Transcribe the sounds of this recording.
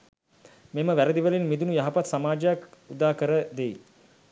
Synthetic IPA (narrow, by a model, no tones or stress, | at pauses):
meməʋæɾəd̪iʋəlinmid̪unujaɦapat̪samaːd͡ʒəjakud̪aːkəɾəd̪ej